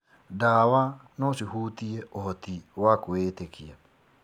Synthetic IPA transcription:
dawanɔsihuːtieohɔtiwakoeːtekʰia

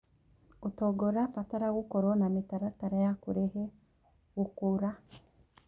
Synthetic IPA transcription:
utoɡoɾapataɾaɣukoɾonamitaɾataɾajakuɾehe | ɣukuɾa

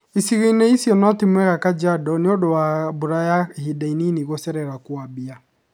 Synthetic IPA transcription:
isiɣeinɛisijɔnɔtemwɛɣakad͡ʒadɔnɪodowaboɾajahidaininiɣosɛɾɛɾakwabia

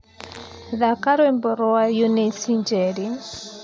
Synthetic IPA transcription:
ðakaɾwembɔɾɔajonesiɲd͡ʒɛɾi

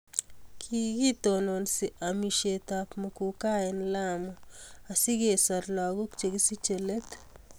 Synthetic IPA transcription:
kʰiɡit̪ononsiʔamiʃet̪apmokukaenlamoasiɡesaɾlaɡukt͡ʃeɡisit͡ʃelet̪

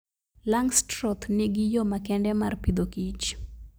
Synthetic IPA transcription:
laŋstɾɔt̪nɪɡijomakɛndɛmarpid̪okit͡ʃ

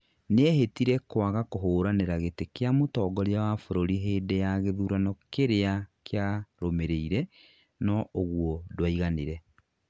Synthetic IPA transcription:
neɛɦetiɾɛkwaɣakoɦoːɾaneɾaɣetekeamotɔːɡɔɾeawafoɾoɾiɦeːdejaɣeðuːɾanɔkeɾeakeaɾomeɾeiɾɛ | nɔoɣwɔdwaiɣaneɾɛ

